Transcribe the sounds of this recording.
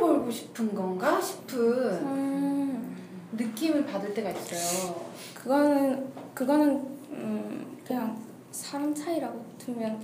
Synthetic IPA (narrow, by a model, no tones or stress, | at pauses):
bʌɭɡoɕʰi̥pʰɯnɡʌnɡaɕʰi̥pʰɯn | nɯk͈imɯnpadɯɭt͈e̞ɡais͈ʌjo | kɯɡʌnɯnkɯɡʌnɯnɯkɯɲaŋ | sʰaɾamt͡ɕʰaiɾaɡotʰɯmjʌn